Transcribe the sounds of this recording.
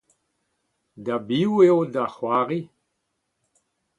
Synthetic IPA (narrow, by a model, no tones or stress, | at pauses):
dabiwewdaχwaːʁi